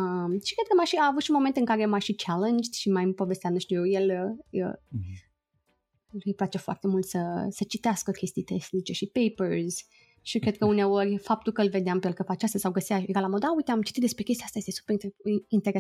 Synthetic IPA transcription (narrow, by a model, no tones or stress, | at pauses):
əmʃi̥kɾed̪̚kəmajʃiaːvut̪ʃiumo̞ment̪ɨŋkaɾe̞maʃit͡ʃalend͡ʒ̪ʃimajɨmpo̞vest̪eamnuʃt̪ujeje̞ləə̰ | lɨjplat͡ʃe̞foa̰rt̪e̞mult̪səsət͡ʃit̪easkəkʲʰe̞st̪ijt̪esnit͡ʃe̞ʃipejpəɾz | ʃikɾed̪̚kəune̞o̞rʲfap̚t̪ulkəɨlve̞d̪eampealkəpat͡ʃast̪asawɡəsijaeɡalamod̪aujt̪eamt͡ʃi̥t̪it̪d̪espɾekʲest̪iast̪ajest̪esu̥peɾint̪eɾe